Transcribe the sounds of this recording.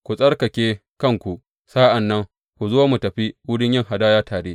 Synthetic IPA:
kʷu˨sʼɐ˦rkɐ˨kʲeː˦kɐ˦ŋkʷu˨ʔ | saː˦ʔa˨nːɐ˦ŋ | kʷu˨zo˦mu˨tɐ˨ɸi˦wʊ˦dɪ˦ɲjɪ˦ŋɦa˨daː˦jaː˦tʰaː˨ɽeː˦

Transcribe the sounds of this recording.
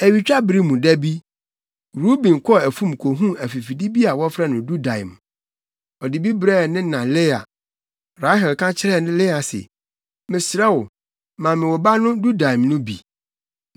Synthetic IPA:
æ˨ɥi˨t͡ɕᶣa˦bɾi˦mũ˨dɛ˦bi˦ | ɾu˦bĩ˨n˨kʰɔ˦˨æ˨fũ˦m˨kʰo˨ɦũ˦æ˨fi˨fi˨di˦bi˦a˨wɔ˦fɾɛ˦nʊ̃˨du˦dã˨ɪ̰˨m˨ | ɔ˨di˨bi˦bɾɛ˦˨nɪ̃˦nã˨lɪ˦a̰˨ | ɾa˦ɦɛ˨lkʰã˦t͡ɕʰɪ˦ɾɛ˦˨nʊ̃˦lɪ˦a˨sɛ̰˨ | mɪ̃˨sɾɛ˦wʊ˨ | mã˨mɪ̃˨wɔ˨ba˦nʊ̃˦du˦da˨i˨mnʊ̃˦bḭ˨

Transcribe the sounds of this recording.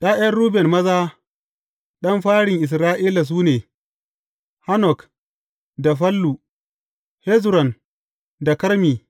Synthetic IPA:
ɗaː˦ʔɐ˦rɾuː˦bɛ˨nmɐ˦zaː˦ | ɗɐ˦mɸaː˦ɽɪ˨ŋʔɪ˨s̬ɾaː˦ʔiː˦la˨s̬uː˦neː˨ | ha˦nɔ˨k | da˨ɸɐ˦lːu˨ | hɛ˦zɾɔ˨n | da˨kɐ˦ɾmiː˨

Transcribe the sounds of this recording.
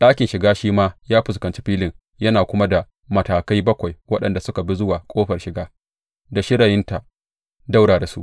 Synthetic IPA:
ɗaː˦kʲɪ˨nʃɪ˨ɡaː˦ʃiː˦maː˦jaː˦ɸɪ˨skɐ˨nt͡ʃi̥˦ɸiː˦lɪ˨ŋ | jɐ˦naː˨kʷʊ˦ma˦da˨ | mɐ˨taː˨kɐ˦jbɐ˦kʷa˨jwɐ˦ɗɐ˨nda˨sʊ˦ka˨bi˦zʊ˦waː˨kʷʼoː˦ɸɐ˨rʃɪ˨ɡaː˦ | da˨ʃɪ˦ɽa˨jɪ˦nta˨ | da˦wɽaː˨da˨sṵ˦ʔ

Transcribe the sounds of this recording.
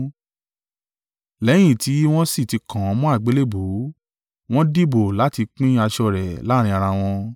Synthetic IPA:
lɛ˨˦j̃ĩ˦˨ti˨˦w̃ɔ̃˦si˦˨ti˨˧kʰã˨˧˦mɔ̃˦a˦˨ɡ͡be˨˦le˦bo˨˦ | w̃ɔ̃˦di˦bo˨la˨˦ti˧k͡pĩ˦a˧ʃɔ˧ɾɛ˨la˨˦ɾ̃ĩ˧a˧ɾ̃ã˧w̃ɔ̃˧

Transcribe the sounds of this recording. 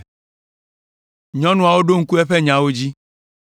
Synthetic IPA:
ɲɔ̃˦nũ˦a˨wo˦ɖo˦ŋ̩˦ku˦ɛ˦ɸɛ˦ɲã˨wo˦d͡ʑi˦

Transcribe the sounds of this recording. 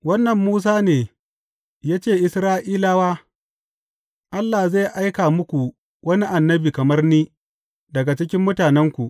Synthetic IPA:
wɐ˦nːɐ˨mːuː˦s̬aː˦neː˨ | jaː˦t͡ʃeː˦˨ʔɪ˨sɾaː˦ʔiː˦laː˦waː˦ | ʔa˦lːa˨za˦˨jʔa˦jkaː˨mʊ˦kʷu˨ | wɐ˦ni˦ʔa˨nːɐ˦biː˨kɐ˨mɐ˦rniː˦ | dɐ˨ɡa˨t͡ʃɪ˦kʲɪ˦mːʊ˦taː˨nɛ˦ŋkʷu˨ʔ

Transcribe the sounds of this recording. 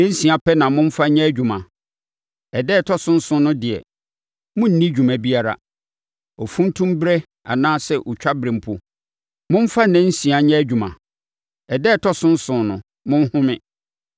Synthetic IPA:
nɛ̃˦n̩˦sĩ˨a˨pʰɛ˦nã˨mʊ̃˦ɱ̩˦fa˦ɲɛ̃˦æ˦d͡ʑᶣu˨mã˨ | ɛ˨dɛː˦˨tʰɔ˦sʊ̃˦n̩˦sʊ̃˦nʊ̃˦dɪ˨ɛ̰˨ | mʊ̃˦n̩˨nĩ˦d͡ʑᶣu˨mã˨bi˦a˨ɾa̰˨ | ɔ˨fũ˦n̩˦tʰũ˦mbɾɛ˦ | a̰˨nãː˦sɛ˦ʔʊ˨t͡ɕᶣa˦bɾɪ̃˨m̩˨pʰʊ˦ | mʊ̃˦m˦fa˦nɛ̃˦n̩˦sĩ˨a˨ɲɛ̃˦æ˦d͡ʑᶣu˨mã̰˨ | ɛ˨dɛː˦˨tʰɔ˦sʊ̃˦n̩˦sʊ̃˨nʊ̰̃˨ | mʊ̃˦n˦hʊ̃˦mɪ̃˨

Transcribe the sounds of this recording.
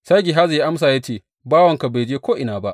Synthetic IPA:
sa˦ɡʲi˨ɦa˦za˨ja˦ʔa˦ms̬aː˨ja˦t͡ʃeː˦˨ | baː˦wɐ˨ŋka˨ba˨jd͡ʒeː˦kʷoː˦ʔɪ˨naː˨ba˦ʔ

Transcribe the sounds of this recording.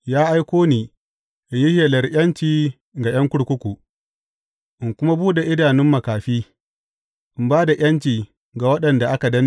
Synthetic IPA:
jaː˦ʔa˦jkʷoː˦niː˨ | ʔɪ˨ɲji˦heː˨lɐ˨rj̰ɐ˦nt͡ʃiː˦˨ | ɡa˨j̰ɐ˦ŋkʷʊ˦ɽkʷʊ˦kʷu˨ | ʔɪ˨ŋkʷʊ˦ma˦buː˦ɗe˨ʔɪ˦daː˨nɪ˦mːɐ˨kaː˨ɸiː˦ | ʔɪ˨mbaː˦da˨j̰ʔɐ˦nt͡ʃiː˨ | ɡa˨wɐ˦ɗɐ˨nda˨ʔa˦ka˨dɐ˦n˦

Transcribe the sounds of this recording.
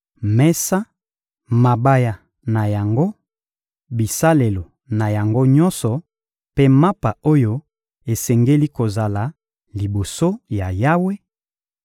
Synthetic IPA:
mɛ˦sa˦ | ma˨ba˦ja˨ | na˨ja˨ŋɡo˦ | bi˨sa˦le˨lo˨ | na˨ja˨ŋɡo˦ɲɔ˦nsɔ˨ | pe˦ma˦pa˨o˦jo˦ | e˨sɛ˨ŋɡe˦li˦ko˨za˨la˨ | li˨bo˨so˦ja˨ja˦we˦

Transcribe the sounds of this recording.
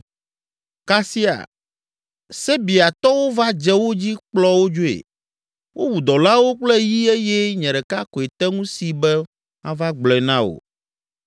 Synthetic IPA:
ka˦si˦a̰˨ | sɛ˦bi˨a˨t̪ɔ˦wo˦va˦d͡ʒɛ˦wo˦d͡ʑi˦k͡plɔ˦wo˦d͡ʒo˦ḛ˨ | wʔo˦wu˨d̪ɔ˨la˦wo˦k͡plɛ˦ji˦e˦jɛ˦ɲɛ̃˨ɖɛ˨ka˦kɔ˨e˨t̪ɛ˦ŋũ˦si˨bɛ˦ | ã˦va˦ɡ͡blɔ˨ɛ˨nã˦wo̰˨

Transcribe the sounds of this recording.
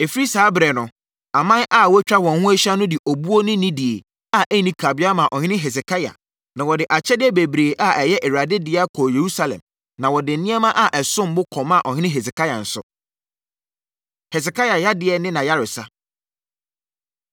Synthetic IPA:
e˨fɾi˦saː˨˦bɾɛ˨nʊ̃˨ | a˨mã˦nʔa˦˨wɔ˦t͡ɕᶣa˦wɔ̃˨nhʊ̃˦æ˦ɕã˦nʊ̃˦dɪ˨ʔo˨bu˦o˦nɪ̃˦nɪ̃˦di˨e˨ | a˨ʔe˦˨nĩ˦kʰa˨bɪ˦a˦mã˨ʔɔ˨ɲɪ̃˦ɪ̃˦ɦɛ˨s̬kʰa˦ja̰˨ | nã˨wɔ˨dɪ˨ʔa˨t͡ɕʰɛ˦dɪ˦ɛ˦be˨bɾeː˨ʔa˦ʔɛ˨jɛ˦ʔɛ˨ɾa˨dɪ˦dɪ˨˦a˦kʰɔː˨je˨ɾu˦sa˦lɛ̰˨m | nã˨wɔ˨dɪ˨n̩˨˦nɪ̃˦ɛ˦mã˦ʔa˦ʔɛ˨sʊ̃˦m̩˦bʊ˦kʰɔ̃˨mã˦˨ʔɔ˨ɲɪ̃˦nɪ̃˦ɦɛ˨s̬e˨kʰa˦ja˨n̩˨sʊ̰˨ | hɛ˨s̬ɪ˨kʰa˦ja˨ja˦dɪ˦ɛ˨nɪ̃˦nã˨ja˦ɾɪ˨sa˦

